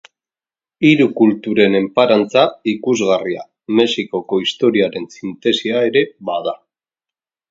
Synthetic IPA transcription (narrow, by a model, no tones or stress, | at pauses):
iɾukult̪uɾe̞ne̞mpaɾant͡saikuzɣaria̰ | me̞siko̞ko̞ist̪o̞ɾiaɾe̞nsint̪e̞siae̞ɾe̞βaða